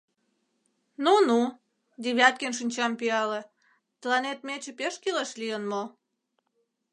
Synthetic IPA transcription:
nunu | d̪iβʲɑt̪̚kenʃ̬inʲt͡ɕɑmpiɑle | t̪əlɑnet̪̚met͡ɕepeʃkileʃlijənmo

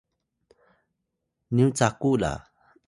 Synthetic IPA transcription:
niwt͡sakula̰

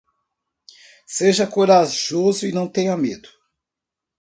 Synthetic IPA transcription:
seʒɐkoɾaʒozʊinɐ̃w̃t̪ẽjɐmed̪ʊ̥

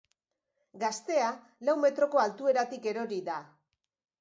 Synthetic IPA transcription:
ɡast̪e̞a | lawme̞t̪ɾo̞ko̞alt̪ue̞ɾat̪ike̞ɾo̞ɾiða

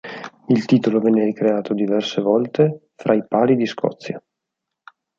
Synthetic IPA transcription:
ilt̪iːt̪olovɛnːeɾikɾeaːt̪od̪ivɛrsevɔlt̪e | fɾʔaipaːlid̪iskʰɔ̰t̪sːja̰

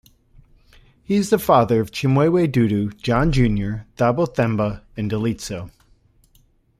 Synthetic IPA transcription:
hiɨzðəfɑðə˞ʌv̥t͡ʃʰɪ̃mweɪweɪdʉɾʉd͡ʒɑ̃nd͡ʒʉ̃njə˞ðɑbl̩ˠθɛ̃mbəɨ̃ndəlitsoʊ

